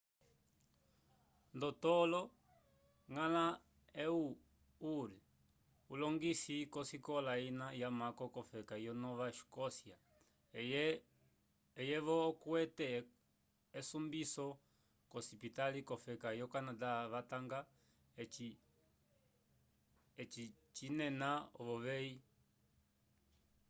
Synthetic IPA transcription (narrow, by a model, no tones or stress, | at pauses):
ndɔtɔlɔ | ŋala | ɛu | uɾi | ulɔŋɡisikɔsikɔlainajamakɔkɔfɛkajɔnɔβaʃu̥kɔsja | ɛjɛβɔkwɛtɛ | ɛsumbisɔ | kɔsipitalikɔfɛkajɔkanadaβataŋɡa | ɛi | ɛt͡ʃi | t͡ʃinɛnaɔβɔβɛi